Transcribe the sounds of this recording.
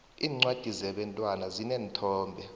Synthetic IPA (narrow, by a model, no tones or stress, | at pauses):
iːŋ͡ǀwad̥ʱizɛɓɛntʼwanazinɛːntʰɔːmbʱɛ